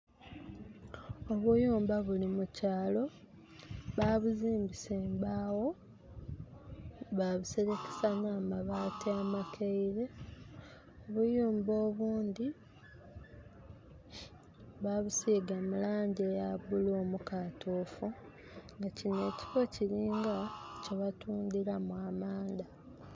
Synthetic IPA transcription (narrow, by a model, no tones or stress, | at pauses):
o̞βujuːmbaβulimucaːlo̞ | βaβuziːmbise̞ːmbaːwo̞ | βaβuse̞ɾe̞ke̥sanaːmaβaːtiamakʰeiɾe̞ | oβujuːmbo̞ːβuːnd̪i | βaβusiːɡamulaːɲɟejaɡuloːmukatʰoːfu | ŋɡacine̞ːci̥fo̞ciɾiːŋɡaceβatuːndiɾamwamaːnd̪a